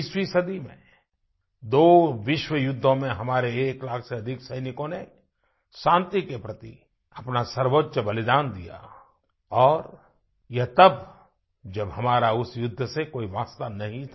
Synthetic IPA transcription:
ɪswisɐd̪imḛ̃ | d̪oːʋɪʃwəjʊd̪ʱːõmẽɦɐmaːɾeeːklaːkʰseɐd̪ʱɪksɐɪnɪkõne | ʃãːnt̪ikepɾɐt̪i | ɐpnasɐɾʋotʃəbɐlɪd̪aːnd̪ija̰ | ɔːɾ | jɐɦt̪ɐb | d͡ʒɐbɦɐmaːɾaʊsjʊd̪ʱːəsekoːiʋaːst̪anɐɦĩ

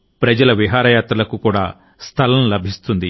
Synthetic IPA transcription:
pɾɐd͡ʒɐlɐʋiɦaːɾɐjaːt̪ɾɐlɐkukuːɽaː | st̪ʰɐlɐmlɐbʱist̪und̪i

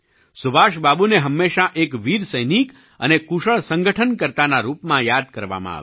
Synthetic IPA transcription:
sʊbʱaʃbabuneɦəmːeʃaʔekʋiɾsəjnik | ə̰nekuʃəɭsə̃ŋɡəʈʰənkəɾt̪anaɾupmãjad̪kəɾʋa̰mã̰a̰ʋ

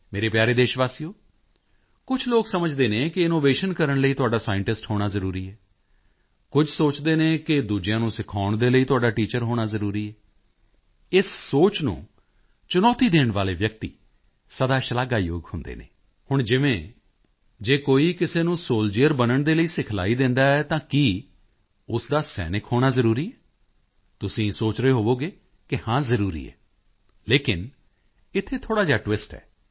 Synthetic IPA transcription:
meːɾeːpjaːɾeːd̪eːʃʋaːsiːoː | kʊt͡ʃʰloːksəməd͡ʒd̪eːnẽːkɪɪnoːʋeːʃənkəɾəɳləiːt̪ʊaːɖaːsaːɪɳʈɪsʈhoːɽ̃aːzəɾuːɾiːɛː | kʊd͡ʒʰsoːt͡ʃd̪eːnẽːkɪd̪uːd͡ʒɪjãːnũːsɪkʰaːʊɳd̪eːləiːt̪ʊaːɖaːʈiːt͡ʃəɾɦoːɽ̃aːzəɾuːɾiːɛː | ɪssoːt͡ʃnṵ̃ː | t͡ʃʊnɔːt̪iːd̪eːɳʋaːleːʋjək̚t̪ḭː | səd̪aːʃəlaːɡaːjo̰ːɡhʊnd̪ḛːnḛː | hʊɳd͡ʒɪʋẽː | d͡ʒeːkoːiːkɪseːnũːsoːld͡ʒeːəɾbənəɳd̪eːləiːsɪkʰla̰ːiːd̪ɪ̃nd̪aːɛːt̪ãːkiː | ʊsd̪aːsɛ̰ːnɪkhoːɽ̃aːzəɾuːɾiːɛː | t̪ʊsĩːsoːt͡ʃɾeːɦoːʋoːɡeː | kɪhãːzəɾuːɾḭːɛ̰ː | leːkɪn | ɪt̪ʰːeːt̪ʰoːɽaːd͡ʒaːʈwɪsʈɛ̰ː

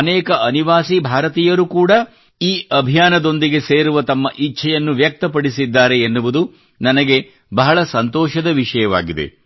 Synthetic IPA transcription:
ɐnɛːkɐɐniʋaːsibʱaːɾɐt̪iːjɐɾukuːɽɐ | iːʔɐbʱijaːnɐd̪o̞nd̪iɡe̞seːɾuʋɐt̪ɐmːɐʔiʃʰɐjɐnːuʋjɐk̚t̪ɐpɐɽisid̪ːaːɾe̞ːnːuʋud̪u | nɐnɐɡe̞ | bɐɦɐɭɐsɐnt̪ɔːʃɐd̪ɐʋiʂɐjɐʋa̰ːɡid̪e̞̰

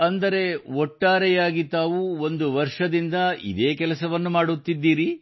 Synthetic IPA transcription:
ɐnd̪ɐɾe̞ɔʈːaːɾɛjaːɡit̪aːʋuo̞nd̪uʋɐɾʂɐd̪ind̪ɐḭd̪eːkɛlɐsɐʋɐnːumaːɽut̪ːid̪ːiːɾi

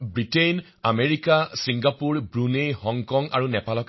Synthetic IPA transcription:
bɹiten | ameɹikasiŋɡapuɹbɹunejhɔŋkɔŋa̰ɹunɛpalɔk

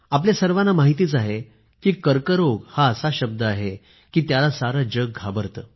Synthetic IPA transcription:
apljasəɾʋanːamaɦit̪̬iːt͡saɦe | kiːkəɾkəɾoɡhaəsaɕəb̚d̪əaɦe | kiːt̪jalasaɾəd͡ʑəɡ̚ɡʱabəɾt̪ə

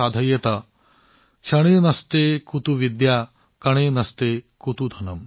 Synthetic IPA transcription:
aːd̪ʱɐjɐt̪ɐ | ʃɐɽ̃eːnɐst̪eːkut̪uʋid̪jaː | kɐɳ̃eːnɐst̪eːkut̪ud̪ʱɐnɐm

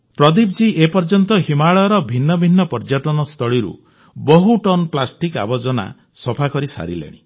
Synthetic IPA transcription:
pɾɔd̪ibd͡ʒiʔepɔɾd͡ʒɔnt̪ɔɦimaɭɔɾɔbʱinːɔbʱinːɔpɔɾd͡ʒaʈɔnɔst̪ʰɔɭiɾṵ | bɔɦuʈɔnplasʈika̰bɔd͡ʒɔna̰ | sɔpʰakɔɾisa̰ɾḭlḛɽ̃ḭ

